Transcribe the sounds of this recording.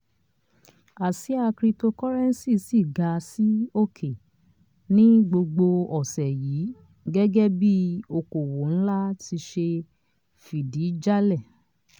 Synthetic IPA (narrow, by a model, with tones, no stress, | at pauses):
a˨si˨˦a˧kɾi˧to˧kɔ˦ɾɛ˦n̩˦si˦˨si˦˨ɡa˨˧si˦o˦kʰe˨ | nĩ˦ɡ͡bo˧ɡ͡bo˧ɔ˨sɛ˨ji˨˦ | ɡɛ˦ɡɛ˦bi˦o˧ko˨wo˨˦n̩˦la˦ti˧ʃe˧ | fi˨di˨˦d͡ʒa˦lɛ˦˨